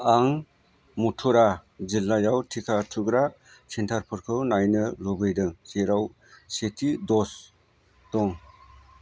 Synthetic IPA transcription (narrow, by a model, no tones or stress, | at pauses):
aŋ | mutʰuɾazilːajawtʰikʰatʰuɡɾa | sintʰaɾpʰɯɾkʰɯwnajnɯlobɯjdɯŋseɾaw | setʰidɔs | d̥ɔŋ